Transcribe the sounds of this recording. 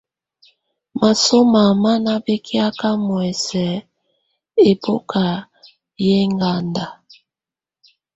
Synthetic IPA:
ma˨so˦ma˨ma˦na˦be˦kʰi˦a˦ka˦mwɛ˨sɛ˨ | e˨bo˦ka˨ | je˦ŋɡa˦nda˨

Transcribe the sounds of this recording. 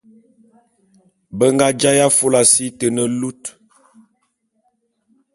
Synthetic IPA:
bə˦ŋɡa˦d͡ʒa˦ja˦fo˦la˨si˦tə˨nə˦lu˦t

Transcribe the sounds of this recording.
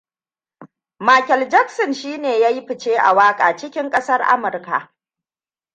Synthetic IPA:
maː˨kʲɛ˨ld͡ʒɐ˦ksɔ˨nʃiː˦neː˨jaː˦ji˦ɸɪ˨t͡ʃeː˦ʔa̰˨waː˦kʼa̰ː˨t͡ʃɪ˦kʲɪ˦ŋkʼɐ˦sɐ˦rʔa̰˦mʊ˨rka̰˨ʔ

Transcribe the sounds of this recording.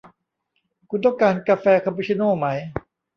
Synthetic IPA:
kʰu˧nt̪ɔ˥˩ŋkaː˧nkaː˧fɛː˧kʰɔ˧mpʰuː˧˥t͡ɕʰi˧˥noː˥˩ma˦˥j

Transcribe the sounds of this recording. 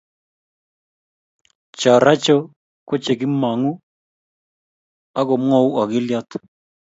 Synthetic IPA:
t͡ʃa˨ɾa˦t͡ʃɔ˦ | ko˦t͡ʃe˨ɡɪ˦ma˨ŋu˦ | a˦ɡɔ˨m˦ɔ˦wa˨ɡɪ˦ljɔ˦t̪

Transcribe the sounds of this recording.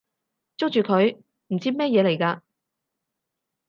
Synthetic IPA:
t͡sʊ˥k̚t͡ʃyː˨kʰɵ˨˧ɥ | m̩˨˩t͡siː˥mɛː˥jɛː˨˧le˨˩jkaː˧

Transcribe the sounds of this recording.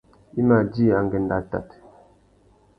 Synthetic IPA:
i˦ma˨d͡ʒi˦a˨ŋ˨ɡɛ˨n˦da˦ta̰˨t

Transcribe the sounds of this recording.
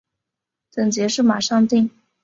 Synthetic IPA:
t̪ə˨˩ŋt͡ɕjɛ˧˥ʂɻ̩˥˩ma˨˩ʂɑ˥˧ŋt̪i˥˩ŋ

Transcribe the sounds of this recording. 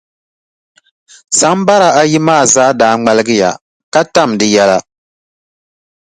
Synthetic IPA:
sa˨˦m˦ba˦ɾa˨a˦ji˦maː˦˨zaː˦daː˨˦ŋ͡mɛ˦lɨ˦ɡɨ˦ja̰˨ | ka˦ta˦˨mdɨ˨jɛ˦la˦

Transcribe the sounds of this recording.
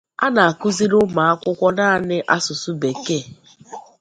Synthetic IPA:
a̰˦na˨a˨ku˦zi˦ɾʊ˦ma˨a˦kʷʊ˦kʷɔ˦na˦˨nɪ˦ʔa˦sʊ˨su˦be˨ke˦˨

